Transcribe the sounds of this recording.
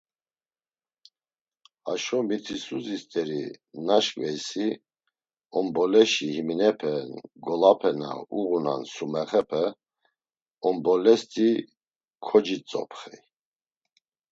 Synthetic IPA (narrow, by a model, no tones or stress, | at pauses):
aʃɔmit̪ʰisuzist̪ʼɛɾinaʃkʼvɛjsi | ɔmbɔlɛʃihiminɛpʰɛnɡɔlapʰɛna̰uɣuna̰nsumɛχɛpʰɛ | ɔmbɔlɛst̪ʼi | kʰɔd͡ʒit͡sʼɔ̰pʰχi